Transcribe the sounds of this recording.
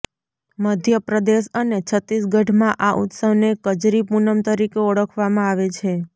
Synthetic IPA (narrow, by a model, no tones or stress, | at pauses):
məd̪ʱjəpɾəd̪eʃənet͡ʃʰət̪isɡʱəʈmãʔaʔṵt̪səʋnekəd͡ʒɾipunəmt̪əɾikeəɽəkʰʋamãaʋet͡ʃʰe